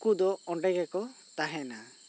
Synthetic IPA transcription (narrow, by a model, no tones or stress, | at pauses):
kud̪ɔɔɳɖɛɡɛkɔ | t̪aɦɛna